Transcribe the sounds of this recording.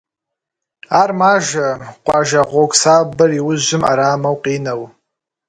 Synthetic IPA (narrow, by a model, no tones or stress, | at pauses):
armaʒaqʷʼaʒaʁʷokʷʼsabɨriwʊzʒʷɨma̰ɾaːmawqʼinaw